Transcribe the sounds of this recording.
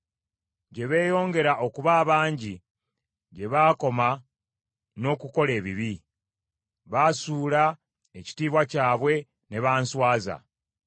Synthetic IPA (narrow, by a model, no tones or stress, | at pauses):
ɟe̞βe̞ːjo̞ːŋɡe̞ɾaʔo̞kuβaːβaːɲɟi | ɟe̞βaːko̞ma | no̞kuko̞le̞ːβiβi | βaːsuːla | eci̥tiːβwacaːβwe̞ | ne̞βaːnswaːza̰